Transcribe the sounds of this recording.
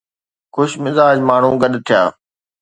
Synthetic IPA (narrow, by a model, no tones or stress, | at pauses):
xʊʃmɪzaːd͡ʒmaːɳ̤ũːɡəɗt̪ʰɪjaː